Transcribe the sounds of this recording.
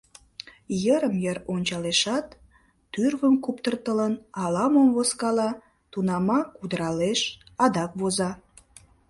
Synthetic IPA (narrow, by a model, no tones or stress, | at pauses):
jəɾəmjəɾonʲt͡ɕɑleʃɑt̪ː | yrβəmkupt̪ərt̪ələnɑlɑmomvoskɑlɑ | t̪unɑmɑkud̪əɾɑleʃɑd̪ɑkβozɑ